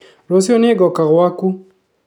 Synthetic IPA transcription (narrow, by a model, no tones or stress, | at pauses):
lɔs̬iɔneɡɔkaɣwaku